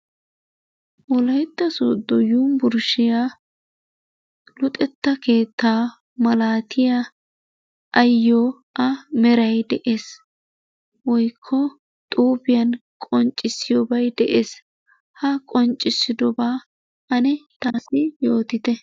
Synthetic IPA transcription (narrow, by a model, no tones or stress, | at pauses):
wɔlɐjt̪ːɐsod̪ɔjuːmbʊɾʃɪja | lʊt̪ʼɛt̪ːɐke̞ːt̪ːaː | mɐlaːt̪ʰɪja | ʔɐjːoː | ɐmɛɾɐjd̪ɛʔe̞ːs | wɔjkʰːɔ | t̪ʼuːbɪjɐnkʼɔnt͡ʃʼːɪsːɪjɔbɐjd̪ɛʔeːs | hɐkʼɔnt͡ʃʼːɪsːɪd̪ɔbaː | ʔɐnɛt̪aːsɪjo̞ːt̪ɪt̪ɛ